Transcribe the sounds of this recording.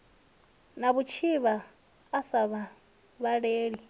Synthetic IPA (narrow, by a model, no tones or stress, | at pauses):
naβut͡ʃʰiβaː | saβa | βaɺeːɺi